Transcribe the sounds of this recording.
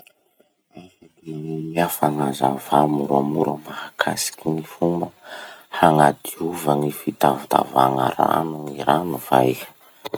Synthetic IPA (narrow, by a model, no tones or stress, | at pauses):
ajfaɡeiiafanazavamuɾamuɾəmahakʰasi̥kʲinifumbəhaŋad̪iuvaŋifit̪avut̪a̰vaŋa̰ɾa̰nuŋiɾanuvai̥